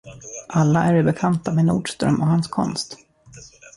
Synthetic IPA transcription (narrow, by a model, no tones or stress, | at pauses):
ʔalːaʔæɖɛbɛkʰant̪ameːnṵːɖʂt̪ɾœ̰mʔɔhanskʰɔ̰nst̪